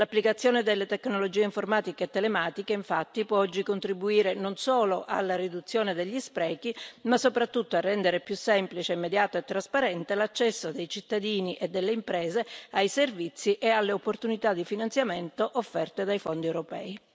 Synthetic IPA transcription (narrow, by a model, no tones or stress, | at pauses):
lapːlikat̪sːjoːned̪elːet̪ekːnolod͡ʒiːeiɱformaːt̪ikeːt̪ːelemaːt̪ikeiɱfat̪ːipwɔɔd͡ʒːikont̪ɾibuiːɾenonsoːloʔa̰lːaɾid̪ut̪sːjoːned̪eʎːispɾɛːkimasːopɾat̪ːut̪ːoarːɛnd̪eɾepjusːɛmplit͡ʃeimːed̪jaːt̪oet̪ːɾaspaɾɛnt̪elat͡ʃːɛsːod̪ejt͡ʃit̪ːad̪iːniʔed̪ːelːeimpɾɛːzeajservit̪sːiʔealːeopːort̪unit̪ad̪ːifinant̪sjament̪oʔofːɛrt̪ed̪ajfond̪iewɾopɛːi